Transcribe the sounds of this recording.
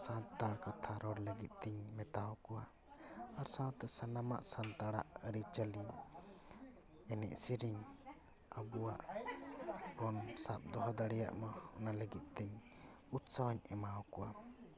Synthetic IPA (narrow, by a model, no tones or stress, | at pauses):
sãt̪aɽkat̪ʰaɾɔɾləɡit̪̚ˀt̪ɛɲmɛt̪aɔkɔwa | aɾsãwt̪ɛsanama̰ʔsãnt̪aɽaʔəɾit͡ʃəli | ɛnɛ̰ʔsiɾiɲ | əbuwaʔ | bɔnsap̚d̪ɔɦɔd̪aɽɛja̰ʔmaɔnaləɡit̪̚ˀt̪ɛɲ | ut̪sawaɲɛmaɔkɔwa